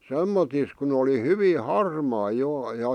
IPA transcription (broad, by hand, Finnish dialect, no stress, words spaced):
semːotis kun oli hyʋiː hɑrmɑː joˑ jɑ